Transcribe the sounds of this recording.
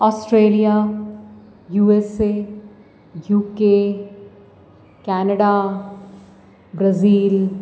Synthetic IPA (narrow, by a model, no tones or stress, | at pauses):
ɔːsʈɾeːlija | juːese | juːke | kɛːnəɖa | bɾɐziːl